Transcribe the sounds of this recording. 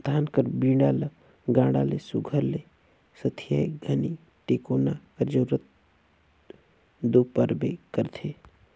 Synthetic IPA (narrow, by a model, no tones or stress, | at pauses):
d̪ʰʱaːnkəɾbĩːɖaːlə | ɡãːɽaːlesʊɡʱəɾle | sɐt̪ʰijaːeɡʱɐni | ʈeːkoːnakəɾd͡ʒoːɾət̪̚ | d̪oːpəɾbekəɾt̪ʰeː